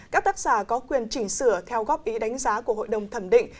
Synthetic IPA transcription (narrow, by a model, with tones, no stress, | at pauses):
kaː˦˥k̚t̪aː˦˥k̚z̥aː˧˩kɔ˨˦kwi˧˩ənt͡ɕï˧˩ŋ̟sɨ̰˧˩ət̪ʰɛ˧wɣɔ˦˥p̚ʔi˨˦ɗa˨˦jŋ̟zaː˨˦ku˧˩əho̰˧˨jɗə˧˩wŋ͡mt̪ʰə˧˩mɗḭ̈˧˨ŋ